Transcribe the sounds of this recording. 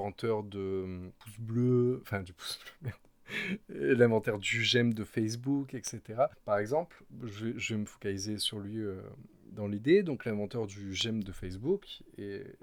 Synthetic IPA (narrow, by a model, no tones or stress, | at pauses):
ɑ̃t̪œʁd̪əpu̥sbløɑ̃fɛ̃d̪ypu̥sblømɛ̃ | lɛ̃vɑ̃t̪œʁd̪yʒɛmd̪əfɛs̬bukɛkset̪eʁapaʁɛɡzɑ̃plʒəvɛʒəvɛməfɔ̥kalizesyʁlɥiø̰ | d̪ɑ̃lid̪ed̪ɔ̃klɛ̃vɑ̃t̪œʁd̪yʒɛmd̪əfɛs̬buke